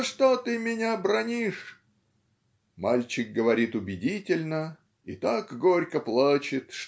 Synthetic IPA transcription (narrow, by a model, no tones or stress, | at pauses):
ʂt̪ot̪ɨmʲɪnʲabɾɐnʲiʂ | malʲt͡ɕɪk̚ɡəvɐɾʲit̪ʊbʲɪdʲitʲɪlʲnə | it̪akɡoɾʲkəplˠat͡ɕɪt̪ʂ